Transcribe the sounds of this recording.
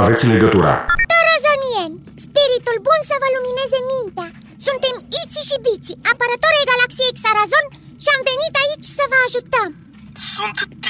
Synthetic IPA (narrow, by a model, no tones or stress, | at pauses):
avet̪sʲleɡət̪uɾa̰t̪orəzonien | spiɾit̪ulbunsəvəluminezemint̪a | sunt̪emit̪siʃibit̪siapəɾət̪oɾeɡalaksieksaɾazon | ʃiamvenit̪ait͡ʃsəvəaʒut̪əm | sunt̪t̪